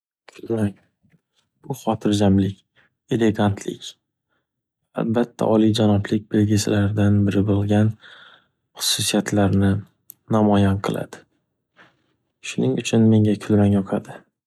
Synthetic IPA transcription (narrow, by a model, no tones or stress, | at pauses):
kʰʊlmaŋ | b̥ʊχɒt̪ʰɪɾd͡ʒamlɪkʲ | e̞le̞ɡant̪ʰlɪ̰kʲ | a̰lbat̪ʰːa̰ʔɒlid͡ʒanɒplɪk̚ʲbɪlɡʲɪsɪ̰laɾd̪anbɪɾɪbolˠɡʲan | χʊ̥susijat̪ʰlaɾnɪ | namɒjanqʰɨlˠa̰d̪̥ɪ̥ | ʃʊnɪŋʊt͡ʃʰʊnme̞ŋʲakʰʊlmaŋjɒqʰad̪ɪ